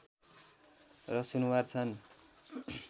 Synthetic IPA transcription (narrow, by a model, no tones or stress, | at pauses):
rʌsunuwart͡sʰʌn